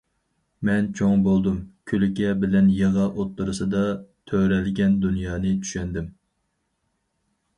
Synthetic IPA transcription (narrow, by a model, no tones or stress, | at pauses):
mɛnt͡ʃʰoŋbolˠd̪umkʲʰølɪkʲɛbɪlɛnjeʁɑʔot̪ʰːuɾɨsɨd̪ɑt̪ʰøɾɛlɡʲɛnd̪unjɑːnɨt͡ʃ̪ʰy̥ʃɛnd̪ɪm